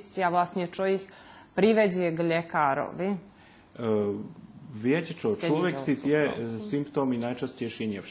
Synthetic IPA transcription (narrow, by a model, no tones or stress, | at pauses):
siaʋlˠasnet͡ʃojikpɾiʋed͡ʑeɡʎekaːɾo̰ʋi | ʋjecet͡ʃot͡ʃloʋjeksit̪ijesimpt̪oːminajt͡ʃascejʃiɲɛ